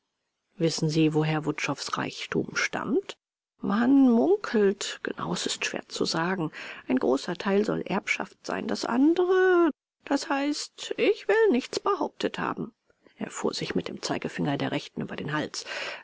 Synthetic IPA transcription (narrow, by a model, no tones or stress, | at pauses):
vɪsn̩ziːvoɦeːɐvʊtʃɔfsʁa̰ɪçtʰṵːmʃta̰mt | vanmʊŋkʰl̩tɡ̥ənʔa̰ʊɛsɪstʃv̥ḛːɐt͡sṵzaːɡŋ̩ʔaɪnɡʁoːsɐtʰaɪlzɔ̰lʔɛɐpʃa̰ftz̥a̰ɪndasʔa̰ndəʁə | d̥ashaɪstʔɪçv̥ɪlnɪçt͡sb̥əhaʊp̚tʰətha̰ːbm̩ | ʔeːɐfuːɐzɪçmɪt̚d̥eːmt͡saɪɡəfɪŋɐdeːɐʁɛçtn̩ʔyːbɐdeːnɦals